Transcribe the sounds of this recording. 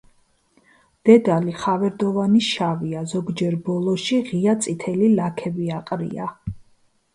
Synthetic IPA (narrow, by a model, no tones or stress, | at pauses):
d̪̥ɛd̪aliχavɛɾd̪ɔvaniʃaviazɔɡd͡ʒɛɾbɔlˠɔʃiʁiat̪sʼit̪ʰɛlilakʰɛbiaqʼɾḭa